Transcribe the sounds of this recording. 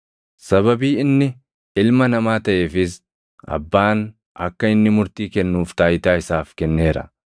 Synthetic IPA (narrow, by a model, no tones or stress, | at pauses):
sɐβɐbiːɪnːɪ | ɪlmɐnɐmaːt̪ɐʔeːfɪs | ɐ̰bːaːn | ʔɐkːɐɪnːɪmʊɾt̪iːkɛnːuːft̪aːjɪt̪aːɪsaːfkɛnːe̞ːɾɐ̰